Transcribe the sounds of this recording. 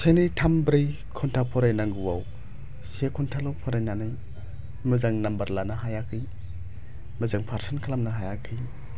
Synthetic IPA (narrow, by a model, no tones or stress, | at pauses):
sajnɯjtʰambɾij | kʰɔntʰapʰɔɾajnaŋɡuwaw | sekʰuntʰalɔpʰɔɾajnanɯj | mɯzaŋnambɐɾlanaɦajakʰɯj | mɯzaŋpʰaɾsɯnkʰalamnɐɦajakʰɯj